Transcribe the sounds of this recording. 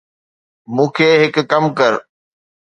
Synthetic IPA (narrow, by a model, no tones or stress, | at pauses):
mũːkʰeːɦɪkːəmkəɾ